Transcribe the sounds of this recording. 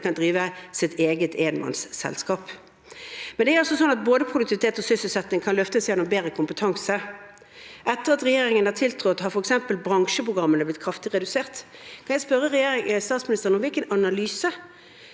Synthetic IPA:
kɑnd̪ʁiːʋəsɪt̪ʰeːɡət̪eːənmɑ̰nssɛ̰lskɑːp | mɛnd̪ɛæɾɑsɔsɔnːɑt̪̚boːd̪əpʰʁʊd̪ʉkt̪ʰɪʋɪt̪ʰeːt̪ɔsʏsəl̩sɛt̪nɪŋkʰɑnlœft̪əsjɛnːʊmbeːɾəkʰʊmpət̪ʰɑŋsə | ʔɛt̪ːəʁɑt̪ʁɛjeːɾɪŋənæʁt̪ʰɪlt̪ʰʁɔt̪ːhɑɾfɔɾɛksɛmpəlbʁɑŋʃəpʰʁʊɡʁɑmːənəblɪt̪̚kʰʁɑft̪ɪʁɛd̪ʉseːʁt̪kʰɑnjæɪspœʁəʁɛjeːɾɪŋəst̪ɑːt̪smɪnɪst̪əʁənɔmʋɪlkənɑnɑlyːsə

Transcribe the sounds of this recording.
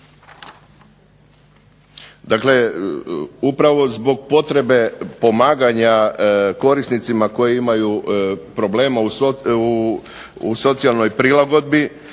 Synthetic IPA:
d̪akle̞ | upɾaʋo̞zbo̞ɡ̚po̞t̪ɾe̞be̞po̞maːɡaɲako̞ɾisnit̪simako̞jiimajupɾo̞ble̞ːmau | uso̞t̪sialˠno̞jpɾilˠaɡo̞d̪̚bi

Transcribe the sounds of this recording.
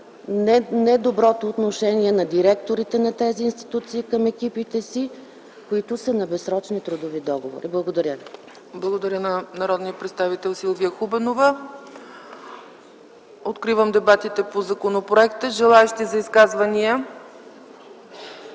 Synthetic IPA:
nɛd̪obɾɔt̪oːt̪noʃɛniɛnɐd̪iɾɛkt̪oɾit̪ɛnɐt̪ɛziːnst̪i̥t̪ut̪siːkəmɛkipit̪ɛsi | koit̪ʊsɐnɐbɛsɾɔt͡ʃnit̪ɾud̪ovid̪ɔɡovo̰ɾiblˠɐɡod̪ɐɾʲjə | blˠɐɡod̪ɐɾʲənɐnɐɾɔd̪nijəpɾɛt̪st̪avit̪ɛlˠsilˠvijəxubɛnovə | ot̪kɾivəmd̪ɛbat̪it̪ɛpozɐkonopɾoɛkt̪əʒɛlˠaɛʃt̪izɐiskazvɐniə

